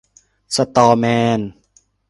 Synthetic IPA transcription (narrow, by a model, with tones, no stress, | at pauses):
sa˧t̪ɔː˧mɛː˧n